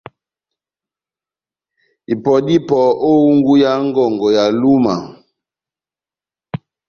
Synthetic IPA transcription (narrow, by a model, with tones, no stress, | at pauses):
i˨pɔ˨di˦pɔ˨ʔo˦u˦ŋɡu˦ja˦ŋ˦ɡɔ˨ŋɡɔ˨ja˨lu˦ma̰˨